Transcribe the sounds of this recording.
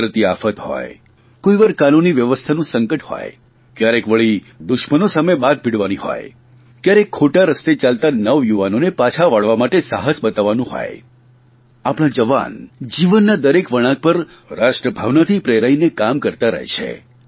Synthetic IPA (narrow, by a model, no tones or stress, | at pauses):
ɾət̪iafət̪ɦɔ̰j | koiʋaɾkanuniʋjəʋəst̪ʰanũsəŋkəʈhɔ̰j | kjaɾekʋəɭi | d̪ʊʃmənosamebad̪̚biɽʋaniɦɔ̰j | kjaɾekʰːoʈaɾəst̪et͡ʃalt̪anəʋjuʋanonepat͡ʃʰaʋaɭʋamaʈesaɦəsbət̪aʋːanũɦɔ̰j | apɽ̃ãd͡ʒəʋa̰nd͡ʒiʋənːad̪əɾekʋəɽ̃ãk̚pəɾ | ɾaʃʈɾəbʱaʋnat̪ʰipɾeɾainekamkəɾt̪aɾə̰ɦḛt͡ʃʰḛ